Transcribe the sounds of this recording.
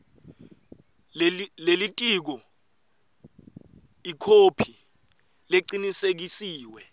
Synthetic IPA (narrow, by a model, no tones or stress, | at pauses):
lelitʼik̬ɔ | ikʰopʰi | leǀinisek̬isiːwɛ